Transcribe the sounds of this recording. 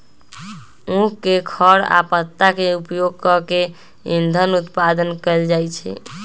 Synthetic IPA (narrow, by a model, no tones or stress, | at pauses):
ũkːekʰəɽa̰pət̪ːakeupjoɡ̚kəke | ind̪ʱənut̪pad̪ənkəld͡ʒajt͡ʃʰɛ̰